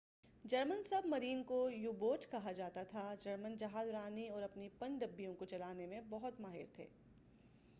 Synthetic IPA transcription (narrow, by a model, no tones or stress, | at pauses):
d͡ʒɐɾmənsɐbmɐɾiːnkojuːboːʈkɐɦad͡ʒaːt̪at̪ʰad͡ʒɐɾmənd͡ʒɐɦaːzɾaːniɔːɾɐpnipɐ̃ɳɖɖɐbːijõkot͡ʃɐlaːnemẽbɐɦʊt̪maːɦɪ̰ɾt̪ʰḛː